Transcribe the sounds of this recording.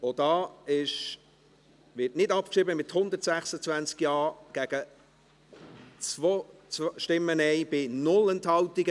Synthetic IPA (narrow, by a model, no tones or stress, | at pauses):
od̥ɑːɪʃ | ʋɪtnɪdɑp̚kʃiːbəmɪthʊndətsæχsət͡svænt͡skjɑːɡ̥æɡ̥ə | t͡svot͡sʃtɪmːənɛɪb̥ɪnʊlɛnthɑltiɡə